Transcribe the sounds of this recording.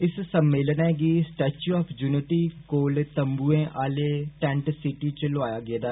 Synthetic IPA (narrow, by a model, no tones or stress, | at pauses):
ɪssəmːeːlənɛːɡiːsʈɛːt͡ʃuɔːpʰd͡ʒuːnɪʈiːkoːlt̪əmbuːẽːʔaːleːʈɛ̃ːɳʈsɪʈiːt͡ʃəlʊaːjaːɡɪeːd̪aː